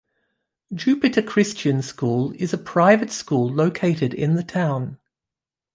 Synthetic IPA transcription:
d̥d͡ʒʉˑpɪtəkʰɹ̥ɪst͡ʃə̃nskuːlɪzəpʰɹ̥aɪvətskuːlˠləʊkʰeɪtɪdɪ̰̃nðətʰãʊ̃n

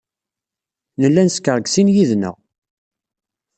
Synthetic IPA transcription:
nəlːænskəɾˤɡsinjiðnə̰ʁ

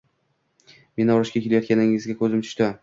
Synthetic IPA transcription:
me̞nɪɒɾɪʃkʲakʲelajɒt̪kʲʰanɪŋɪzɡʲakʰɵzɪmt̪ʰʊ̥ʃt̪a

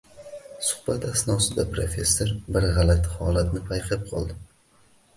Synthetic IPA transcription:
sʊ̥hbat̪asnɒsɪd̪apɾofʲe̞sːo̞ɾbɪɾʁalat̪ʰhɒlat̪nɪpʰajqʰɪp̚qʰɒ̰lˠd̪ɪ

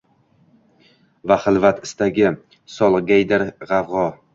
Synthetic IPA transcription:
vaχɨlˠvat̪ɪ̥st̪aɡʲɪ | sɒlˠɡʲajd̪aɾʁɑvʁɒ

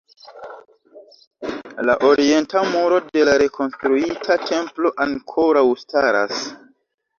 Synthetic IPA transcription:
laʔo̞ɾie̞ntamuɾo̞de̞laɾe̞kʰo̞nstɾuitʰatʰe̞mplo̞ʔaŋkʰo̞ɾawstaɾa̰s

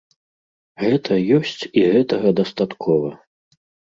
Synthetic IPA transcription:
ɣɛt̪ʰɐjɔsʲt͡sʲiɣɛt̪ɐɣɐd̪ɐst̪at̪kʰɔvɐ

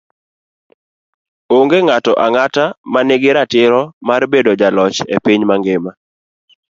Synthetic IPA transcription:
oŋɡeŋatɔʔaŋatamanɪɡɪɾatɪɾɔmarbedod͡ʒalɔt͡ʃḛpiɲmaŋɡɪma

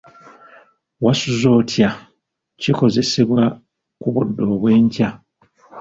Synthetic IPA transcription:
wasuzo̞ːtʰja | ciko̞ze̞se̞βwa | kuβudːo̞ːβwe̞ːɲca

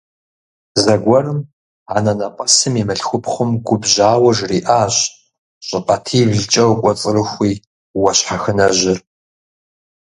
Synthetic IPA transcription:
zɐɡʷɔrɨm | aːnɐnɐqʼɐsɨmimɨɬxʷʊpχʷʊmɡʷʊbʑaːwɐʒriːʔaːɕ | ɕʼɪqʼɐtʰiːvɮt͡ʃʼɐwkʷʼɔt͡sʼɨrɨxʷiː | wɐɕħaxɨnɐʑɪr

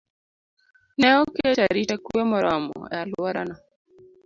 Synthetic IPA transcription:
nɛɔket͡ʃaɾitakuemɔɾɔm̰ɔ̰jalwɔɾana

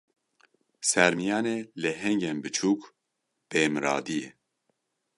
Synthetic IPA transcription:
sɛɾmijaːnelɛɦɛŋɟɛnbɨt͡ʃʰuːk | b̥eːmɨɾa̰ːd̪ije

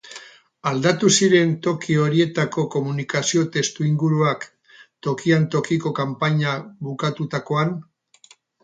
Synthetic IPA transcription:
ald̪at̪usiɾe̞nt̪o̞kio̞ɾie̞t̪ako̞ko̞munikasio̞t̪e̞st̪uiŋɡuɾuak | t̪o̞kiant̪o̞kiko̞kampaɲaβukat̪ut̪ako̞an

